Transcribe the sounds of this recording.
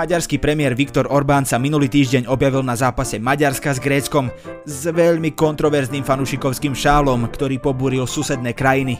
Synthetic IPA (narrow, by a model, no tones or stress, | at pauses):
aɟaɾskiːpɾɛmɪɛːɾʋikt̪ɔɾɔɾbaːnsaminuliːt̪iːʒɟɛɲɔbjaʋilnazaːpasɛmaɟaɾskazɡɾɛːt͡skɔmzʋɛʎmikɔnt̪ɾɔʋɛɾzniːmfanuʃikɔʊskiːmʃaːlɔmkt̪ɔɾiːpɔbuːɾilsusɛd̪̚nɛːkɾajini